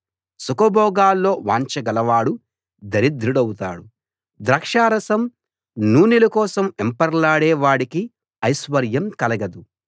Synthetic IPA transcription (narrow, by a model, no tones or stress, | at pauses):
sukɐbɔːɡaːlːo̞ːʋaːɲt͡ʃɐɡɐlɐʋaːɽu | d̪ɐɾid̪ɾuɽɐwut̪a̰ːɽu | d̪ɾɐkʂaːɾɐsɐm | nuːnilɐkɔːsɐmempɐɾlaːɽɛːʋaːɽiki | ɐjsʋɐɾjɐmkɐlɐɡɐd̪u